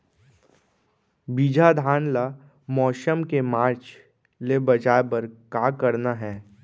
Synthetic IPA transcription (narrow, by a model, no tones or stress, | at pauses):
biːd͡ʒʱad̪ʱaːnla | mɔːʃəmkemaːɾt͡ʃ | lebɐd͡ʒaːebəɾkaːkəɾnaɦɛː